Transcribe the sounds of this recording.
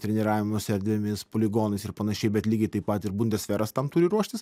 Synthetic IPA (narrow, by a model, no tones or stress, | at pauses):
t̪ʲɾʲɛnʲɪɾɑːʋʲɪmosʲɛɾʲd̪ʲʋʲemʲɪspoːlʲɪɡoːnɐɪsɪɾpɐnɐʃʲɛɪbʲɛt̪lʲiːɡʲɛɪt̪ɐɪpɐt̪ɪɾbʊnʲd̪ʲɛsʲfʲɛɾɐst̪ɐmt̪uːɾʲɪɾuɔʃʲt̪ʲɪs